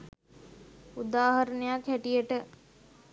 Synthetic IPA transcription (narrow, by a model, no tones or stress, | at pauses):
ud̪aːɦɐɾənəjakhæʈijəʈə